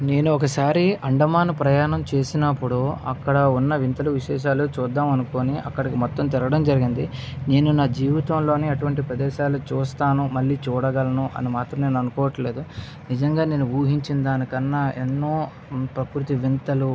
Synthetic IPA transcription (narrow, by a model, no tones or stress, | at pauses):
ne̞ːnuɔkɐsaːɾiʔɐɳɖɐmaːnɐpɾɐjaːnɐmt͡ʃe̞ːsinɐpːuɽuɐ̰kːɐɽɐunːɐʋint̪ɐluʋiʃɛːʃ̬aːlut͡ʃuːd̪ːaːmɐnuko̞ːniʔɐ̰kːɐɽɐkimɔt̪ːɐmt̪iɾɐɡɐɽɐmd͡ʒɐɾiɡind̪ine̞ːnunaːd͡ʒiːʋit̪ɐmlo̞ːniɐʈuʋɐɳʈipɾɐd̪ɛːʃaːlut͡ʃuːst̪aːnumɐlːiːt͡ʃuːɽɐɡɐlɐnuʔɐ̰nimaːt̪ɾɐmne̞ːnuɐnukɔːʋɐʈle̞ːd̪u | nid͡ʒɐŋɡaːne̞ːnuuːɦiɲt͡ʃind̪aːnikɐnːaːenːo̞ː | pɾɐkɾut̪iʋint̪ɐlu